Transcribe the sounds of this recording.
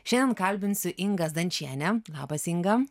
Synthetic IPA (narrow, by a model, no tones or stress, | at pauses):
ʃʲɛnʲd̪ʲɛnkɐlʲbʲɪnʲsʲʊʔɪŋɡɐsd̪ɐnʲt͡ʃʲiɛnʲɛlˠɑ̰ːbɐsɪŋɡɐ